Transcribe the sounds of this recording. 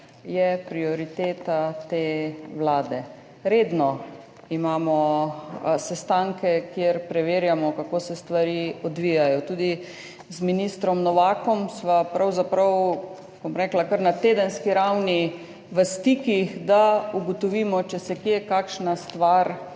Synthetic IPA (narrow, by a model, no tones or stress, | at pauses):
jɛpɾiɔɾit̪eːt̪at̪eːʋlaːd̪ɛ | ɾeːd̪nɔ | imaːmɔ | sɛst̪aŋkɛkjeɾpɾɛʋeːɾjamɔkakoːsɛst̪ʋaɾiːɔd̪ʋijajɔt̪uːd̪i | zminist̪ɾɔmnɔʋaːkɔmsʋapɾʔawzapɾaw | bɔmɾɛːklakəɾnat̪eːd̪ənskiɾawni | ʋəst̪iːkixd̪auɡɔt̪ɔʋiːmɔt͡ʃɛsɛkjekaːkʃnast̪ʋaɾ